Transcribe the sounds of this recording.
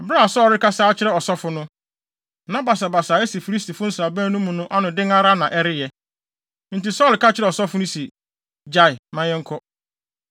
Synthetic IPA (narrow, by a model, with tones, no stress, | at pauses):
ɛ˨bɾa˦˨sɔ˦˨ɾɪ˦ka˦saː˦t͡ɕʰɪ˦ɾɛ˦˨ɔ˨sɔ˦fʊ˦nʊ̃˦˨ | nã˦ba˨sa˨ba˨saː˨ɛ˦si˨fi˨ɾi˦stʰi˨fʊ̃˦n̩˦sɾa˨bæ̃ː˦nũ˦mũ˨nʊ̃˦ʔa˦nʊ̃˨dɪ̃˦ŋa˦ɾa˦nã˨ʔɛ˦ɾɪ˦jɛ˦ | n̩˨ti˨sɔ˦˨lka˦t͡ɕʰɪ˦ɾɛ˨ɔ˨sɔ˦fʊ˦nʊ̃˦sɛ˨ | d͡ʑa˦ɪ˨mã˦jɛ˦ŋ̩˦kʰɔ˦